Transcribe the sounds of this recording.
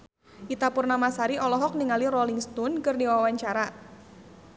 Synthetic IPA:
ʔit̪apʊrnamasaɾiʔɔlɔɦɔk̚niŋaliɾɔliŋst̪unkɨrdiwaawaɲt͡ʃaɾa

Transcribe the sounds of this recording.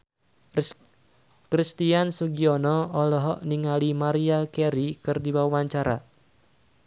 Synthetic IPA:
kɾist̪iansuɡiɔnɔɔlɔɦɔʔniŋalimaɾiakɛɾikɨrdiwawaɲt͡ʃaɾa̰

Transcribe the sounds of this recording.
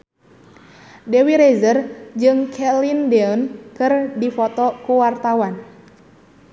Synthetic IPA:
dɛwiɾɛzərd͡ʒɨŋkʰɛlindɛɔnkɨrdifɔt̪ɔkuwart̪awan

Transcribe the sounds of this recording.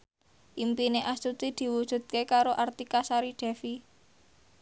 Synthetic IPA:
ʔimpineʔast̪ut̪id̪̥i̤wud̥ʒ̥ṳt̪̚kekaɾoʔart̪ikasaɾiɖ̥ɛ̤fi

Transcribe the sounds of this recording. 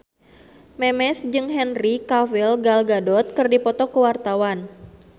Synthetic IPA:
mɛmɛsd͡ʒɨŋɦɛnrikavilɡalɡadɔt̪̚kɨrdipɔt̪ɔkəwart̪awan

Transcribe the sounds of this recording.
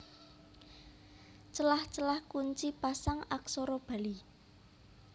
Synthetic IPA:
t͡ʃəlaht͡ʃəlahkuɲt͡ʃipasaŋaksɔɾɔb̥a̤li

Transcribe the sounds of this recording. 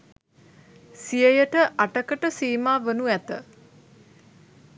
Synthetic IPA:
sijəjəʈəʔaʈəkəʈəsiːmaːʋənuæt̪ə̰

